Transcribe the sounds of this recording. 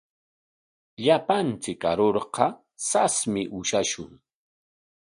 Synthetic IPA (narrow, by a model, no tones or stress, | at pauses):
ʎapant͡sɪka̰ɾoɾqɑ | sasmɪʔʊʃaʃʊŋ